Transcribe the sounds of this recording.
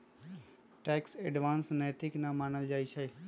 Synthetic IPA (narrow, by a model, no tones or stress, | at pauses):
ʈɛksɛɖʋãːnsnɛːt̪ɪknamaːɳəld͡ʒait͡ʃʰɛ